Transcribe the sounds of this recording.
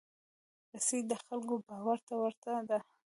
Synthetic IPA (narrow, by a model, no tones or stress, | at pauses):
ɾasid̪əxalkobɑwaɾt̪awəɾt̪ad̪a